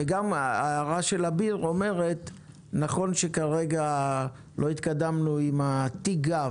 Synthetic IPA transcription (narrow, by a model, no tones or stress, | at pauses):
eɡamaʁaʃe̞labiʁo̞me̞ʁe̞t | naχo̞nʃe̞kaʁeɡa | lʔo̞it̪kadamnuimat̪iɡa